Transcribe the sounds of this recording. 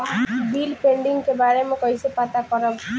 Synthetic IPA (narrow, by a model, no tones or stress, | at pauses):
bilpeɳɖiŋkebaɾemɔ̃kɔjsepat̪akɔɾɔb